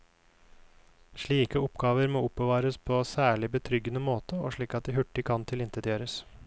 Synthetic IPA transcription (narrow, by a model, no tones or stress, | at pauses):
ʂɭiːkəɔpɡɑːʋəɾmoːʊpbəʋɑːɾəspʰoːsæːɭɪbət̪ʰɾʏɡːənəmoːt̪əo̰ːʂɭiːkɑt̪̚d̪ɪːɦʉʈːɪkʰɑnt̪ʰɪlɪnt̪əd̪jøːɾəs